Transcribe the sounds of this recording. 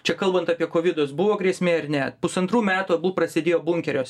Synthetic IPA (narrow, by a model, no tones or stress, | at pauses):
t͡ʃʲɛkɐlˠbɐnt̪ɐpʲiɛkoːʋʲɪd̪oːsbʊʋoːɡɾʲiɛsʲmʲeːɪrnʲɛpʊsɐnt̪ɾuːmʲæːt̪uɐbulprɐsʲɪd̪ʲeːjoːbʊŋʲkʲɛɾʲoːs